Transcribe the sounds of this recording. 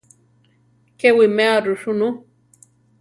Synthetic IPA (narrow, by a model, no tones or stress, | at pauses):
kewimeaɾʊʂʊnu